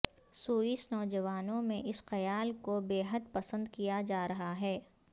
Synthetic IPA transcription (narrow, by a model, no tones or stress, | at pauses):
suːisnɔːd͡ʒɐʋaːnõmẽʔɪsxɐjaːlkobeːɦəd̪̚pɐsə̃nd̪kijad͡ʒaːɾɐɦaɦɛː